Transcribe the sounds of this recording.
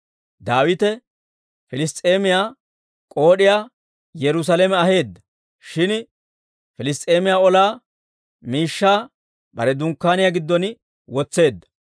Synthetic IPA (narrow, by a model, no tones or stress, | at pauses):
d̪aːwɪt̪ɛ | fɪlɪs̬t̪ʼe̞ːmɪjaː | kʼo̞ːɗɪjaː | jɛɾʊs̬aːlɛmɛɐɦe̞ːd̪ːɐ | ʃɪn | fɪlɪst̪ʼeːmɪjaːɔlaː | miːʃːaː | bɐ̰ɾɛd̪ʊŋkːaːnɪjaɡɪd̪ːɔn | wɔt͡sːe̞ːd̪ːɐ̥